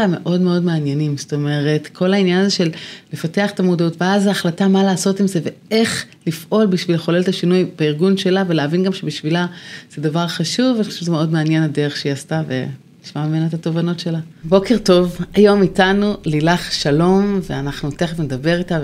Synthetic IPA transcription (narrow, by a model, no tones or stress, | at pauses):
ame̞̰ʔo̞dme̞o̞dmeanjenimsoto̞me̞ʁe̞tkʰo̞lainjanaze̞ʃe̞lle̞fateaχetamodautveazaaχlatamaleːso̞timze̞ve̞eχlifʔo̞lbiʃvileχoleltaʃinujb̥eiʁɡunʃe̞lave̞leːvinɡamʃe̞biʃvilaz̥edavaʁχaʃuvaniχo̥ʃeʃzemeo̞dmeanje̞nadeʁeχʃiastavḛ | liʃmameme̞naetato̞vano̞tʃe̞labo̞ke̞ʁto̞vajo̞mitanulilaχʃalo̞mveanaχnuteχevnedabe̞ʁita